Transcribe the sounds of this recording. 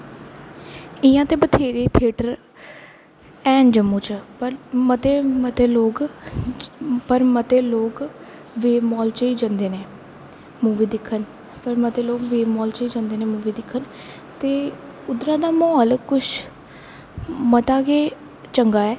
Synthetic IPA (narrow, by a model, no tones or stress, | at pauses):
ɪjãːt̪eːbət̪ʰeːɾeːʈ̪ʰeːʈəɾ | ɛːnd͡ʒəmːuːt͡ʃpəɾmət̪eːmət̪eːloːk | pəɾmət̪eːloːk | ʋeːmɔːlt͡ʃəiːd͡ʒãnd̪eːneː | muːʋiːd̪ɪkʰːən | pəɾmət̪eːloːkʋeːmɔːlt͡ʃəiːd͡ʒãːnd̪eːnẽːmuːʋiːd̪ɪkʰːən | t̪eː | ʊd̪ɾãːd̪aːmɔːlkʊʃ | mət̪aːkeː | t͡ʃəŋɡaːɛː